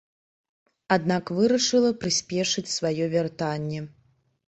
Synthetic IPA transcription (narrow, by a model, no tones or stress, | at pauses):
ad̪nakvɨɾɐʂɨlˠɐpɾɨsʲpʲɛʂɨt͡sʲsvajɔvʲɛrt̪anʲːɛ